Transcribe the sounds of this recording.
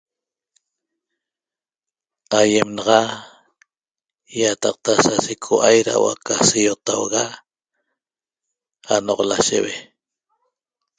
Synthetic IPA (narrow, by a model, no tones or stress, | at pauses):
ajemnɑʁɑ | jat̪ɑq̚t̪asasikʰoʔajɾa̰wa̰kasijot̪awɣa | anoʁlaʃḛwe